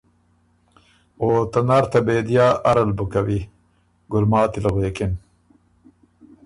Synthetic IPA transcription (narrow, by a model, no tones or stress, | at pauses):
oːt̪ɐnaɾt̪ɐbeːd̪jaːʔɐɾɐlbukawi | ɡʊlmɑːt̪ilɐʁeːkin